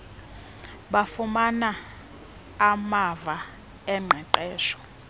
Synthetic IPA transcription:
ɓafumanaː | mava | ɛŋ͡ǃʱɛǃɛːʃɔ̥

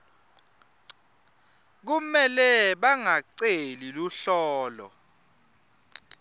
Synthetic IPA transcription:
k̬umɛlɛɓaŋaǀeliluɬɔːlɔ̰

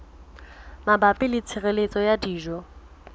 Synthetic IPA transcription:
mabapʼɪlɪt͡sʰɪɣelet͡sʼɔjadiːʒɔ

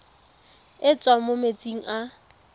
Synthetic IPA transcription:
ɪt͡sʼwamʊmet͡sʼiŋ̩ʔa

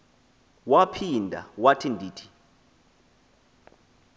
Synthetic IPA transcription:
wapʰindʱa̰watʰindʱiːtʰi̥

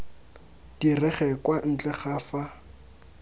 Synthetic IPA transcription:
d̥irɛχɛkwan̩t͡ɬʼɛχaːfa

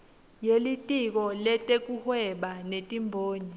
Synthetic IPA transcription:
jelitʼik̬ɔlɛtʼek̬ʼuhwɛɓanetʼimbʱoːɲi

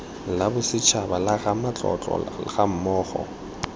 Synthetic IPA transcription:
labʊsɪt͡ʃʰabalaɣamat͡ɬʼɔ̰t͡ɬʼɔ̰ɣam̩mɔːχɔ̰

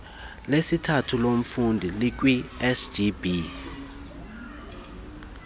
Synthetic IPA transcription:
lesitʰatʰulom̩fundʱilik̬wiɛsd͡ʒibi

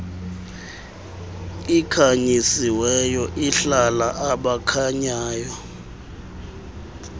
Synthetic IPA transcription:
ikʰaɲisiwɛjɔʔiɬalaʔaɓakʰaɲaːjɔ

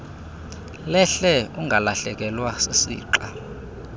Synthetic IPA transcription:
lɛɬɛuŋɡʱalaɬɛk̬ɛlwasesḭːǃa

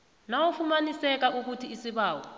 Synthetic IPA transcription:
nawɔfumanisɛk̬auk̬utʰiːsiɓaːwɔ

